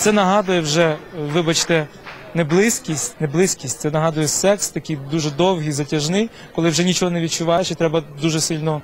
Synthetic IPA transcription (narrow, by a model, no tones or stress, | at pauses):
t̪sɛnɐɦɑd̪ʊjɛwʒɛʋɪbɐt͡ʃt̪ɛ | nɛblˠɪsʲkʲisʲtʲnɛblˠɪsʲkʲisʲtʲt̪sɛnɐɦɑd̪ʊjɛsɛkst̪ɐkʲijd̪uʒɛd̪ɔwɦizɐtʲɐʒnɪ | kɔlˠɪwʒɛnʲit͡ʃɔɦɔneʋʲid̪̚t͡ʃʊʋɑjɪt͡ʃɪt̪ɾɛbɐd̪uʒɛsɪlʲnɔ